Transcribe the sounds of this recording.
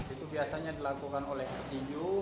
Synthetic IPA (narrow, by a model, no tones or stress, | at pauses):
it̪ubiasaɲadilakukanolɛhrt̪id͡ʒu